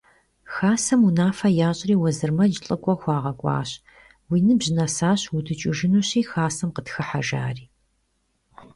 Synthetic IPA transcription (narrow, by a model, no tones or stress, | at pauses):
xaːsɐmunaːfɐjaːɕʼriːwɐzɨrmɐd͡ʒɪɬʼɨkʷʼɔxʷɑːʁɐkʷʼɑ̰ːɕ | wiːnɨbʑɪnɐsaːɕwʊdɨt͡ʃʼɪʒɪnuːɕiːxaːsɐmqətxɐħaʒa̰ːriː